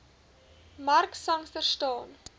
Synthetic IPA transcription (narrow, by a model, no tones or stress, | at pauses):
mɐrksɐŋfərstɑːn